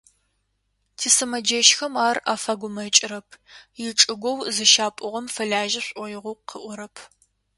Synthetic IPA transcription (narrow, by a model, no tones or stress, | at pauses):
tʰisɐmɐd͡ʒeʃxɐmaːra̰ːfaːɡʷʊmɐt͡ʃʼɪɾɐpʰjɪʈ͡ʂʼɨɡʷɔwzɨʃaːpʷʼʊʁɐmfɐɮaːʒɐɕʼʷɔjɪʁʷʊqʰəʔʷʊɾɐpʰ